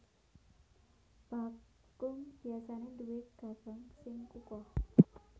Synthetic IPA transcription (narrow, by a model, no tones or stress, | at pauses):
b̥a | kʊŋb̥i̤asanenduwɪt̪̚ɡ̥a̤b̥əŋsɪŋkukɔh